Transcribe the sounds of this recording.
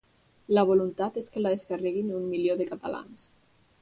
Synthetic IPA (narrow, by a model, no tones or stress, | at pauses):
laβ̞olunt̪at̪eskelaðeskarɛɣinummiljoðekat̪a̰la̰ns